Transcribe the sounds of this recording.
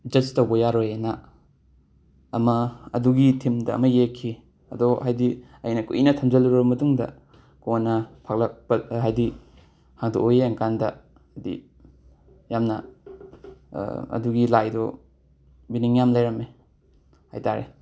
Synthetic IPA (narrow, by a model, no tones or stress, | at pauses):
d͡ʒɐstowbɐjaɾojenɐ | mɐɐ̰duɡitʰimdɐ̰ːmɐjekʰːi | ɐdɔhajdi | ɐ̰jnɐkṵʔinɐtʰɐmzɐlɾobɐmɐtuŋdɐ̰ | konːɐpʰak̚lɐpɐɦajdi | haŋdo̰ʔojeaŋkandɐ | ɐdḭ | jamnɐ̰ | ɐ̰duɡilajdɔ | biniŋjamlajɾɐme | ha̰jtaɾḛ